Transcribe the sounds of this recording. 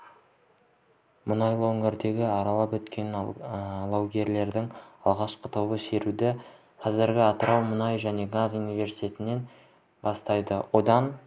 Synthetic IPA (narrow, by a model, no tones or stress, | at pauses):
mʊnɑjlˠəwɵŋɪɾd̪e̞ɡʲɪɑɾɑlˠɑpwɵt̪kʲʰe̞n | lˠɑwɡʲe̞ɾle̞ɾd̪ɪŋɑlˠʁɑʃqət̪ʰowbəse̞ɾud̪ɪ | qʰɑzɪɾɡʲɪɑt̪əɾʔɑwmʊnɑjʒæne̞ɡazunijve̞ɾsi̥t̪ʰʲe̞t̪ɪnːe̞n | bɑst̪ɑjd̪əwo̞d̪ɑn